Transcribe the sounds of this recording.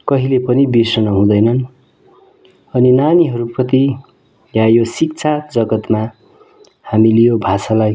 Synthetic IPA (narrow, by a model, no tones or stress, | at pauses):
kʌɦilepʌnibisʌnʌɦũd̪ʌjnʌn | ʌninaniɦʌɾuprʌt̪i | jajosik̚t͡sʰad͡zʌɡʌt̪ma | hamilejobʱasalaj